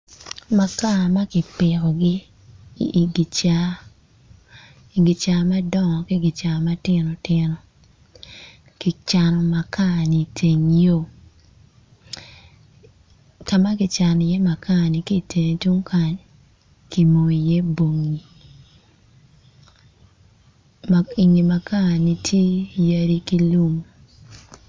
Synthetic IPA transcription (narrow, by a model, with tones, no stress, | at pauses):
ma˨ka˦˨ma˦kɪ˨pɪ˨ɾɔ˨ɡɪ˦˨ | ɡi˨t͡ʃa˨ | i˨ɡi˨t͡ʃa˨ma˦dɔ˦ŋɔ˨ki˦ɡi˨t͡ʃa˨ma˦tɪ˦no˨tɪ˦nɔ˨ | ki˨t͡ʃa˨nɔ˨ma˨ka˦˨ni˨tʰe˨ŋjo˦˨ | ka˨ma˦ɡi˨t͡ʃa˨nɔ˨je˦ma˨ka˦˨ni˨ki˦˨tʰe˨ne˨tu˦ŋka˦ɲ | ki˨mo˨i˨je˦bo˨ŋi˨ | i˨ŋi˨ma˨ka˦˨ni˨tʰje˦ja˦ɾi˦ki˦lu˦m